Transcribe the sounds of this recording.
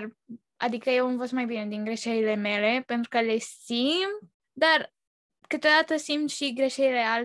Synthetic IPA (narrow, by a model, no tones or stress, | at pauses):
r | a̰d̪ikəjewamvost̪majbine̞d̪inɡɾe̞ʃeɾile̞me̞le̞pe̞nt̪ɾukəle̞simt̪ | d̪ar | kɨt̪o̞d̪at̪əsimt̪ʃiɡɾe̞ʃeɾile̞al